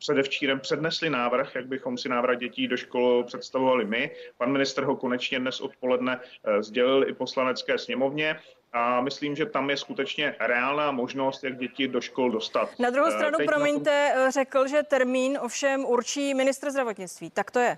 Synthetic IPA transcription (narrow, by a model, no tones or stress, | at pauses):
pr̝̥ɛdɛft͡ʃiːɾɛmpr̥ɛdnɛslɪnaːvr̩xjaɡ̚bɪxo̞msɪnaːvr̩ɣɟɛciːdoʃko̞lpr̝̥ɛt̪st̪avovalɪmɪpanmɪnɪst̪rɦo̞ko̞nɛt͡ʃɲɛdnɛsʔo̞̰t̪̚po̞lɛdnɛzɟɛlɪlɪpo̞slanɛt͡skɛːsɲɛmo̞vɲɛ | ʔamɪsliːmʒɛt̪amjɛskut̪ɛt͡ʃɲɛɾɛaːlnaːmo̞ʒno̞st̪jaɡ̚ɟɛcɪdo̞ʃko̞ldo̞st̪at̪nad̪ɾuɦowstɾanupɾomɪɲt̪ɛrɛkl̩ʒɛt̪ɛɾmiːnofʃɛmuɾt͡ʃiːmɪnɪst̪ɾzd̪ɾavot̪ɲɪt͡st̪viːt̪akt̪ojɛ